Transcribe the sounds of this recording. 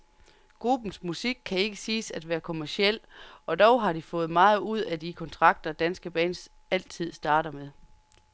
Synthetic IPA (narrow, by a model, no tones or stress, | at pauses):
ɡ̥ʁub̥n̩smusiɡ̥̚kʰːæe̝ɡ̥əsiːsæd̥ʋæːɐkʰo̝mæɐsiel̰ɒ̽d̥ɒʊɦɑ̈d̥ifɔ̽ːð̩ˠmɑ̈ːð̞̩ˠuð̞̰ˠæd̥ikʰɒ̽nt͡sʰʁɑ̈ɡ̥̚d̥ɐd̥ænsɡ̥əb̥ɛ̰ːns | æl̰t͡sʰið̞̰ˠsd̥ɑ̈ːɾɐmeðˠ